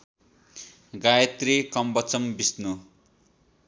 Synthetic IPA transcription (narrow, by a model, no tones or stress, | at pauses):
ɡajʌt̪rikʌmbʌt͡sʌmbisnu